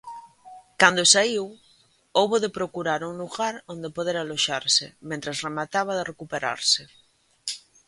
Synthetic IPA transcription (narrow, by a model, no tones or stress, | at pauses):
kand̪osaiw | owβoðepɾokuɾaɾuŋluɣaɾond̪epoð̞eɾaloʃaɾsɪmẽnt̪ɾasremat̪aβ̞aðerekupeɾa̰ɾsɪ